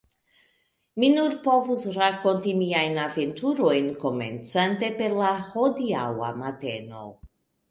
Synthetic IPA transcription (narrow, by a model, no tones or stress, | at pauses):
minuɾpo̞vusɾako̞ntimiajnave̞ntuɾo̞jnko̞me̞̰nt͡sante̞pe̞ɾlahodiawa̰mate̞̰no̞̰